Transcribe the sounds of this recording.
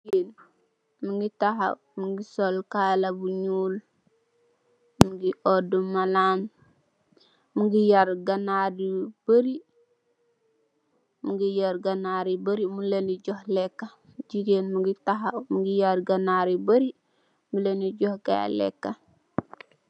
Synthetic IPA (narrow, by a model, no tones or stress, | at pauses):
en | muŋɡitaha̰ | muŋɡisolkalabuɲuːl | muŋɡiʔodumalaːm | muɡijaɾɡanadib̥əɾi | muŋɡijaɾɡanaɾibaɾimuleniɟɔhlekːa | d͡ʒiɾeːnmuɡitaɦamuŋɡijaɾɡanaɾibaɾi | muleniɟohɡa̰lḛkːa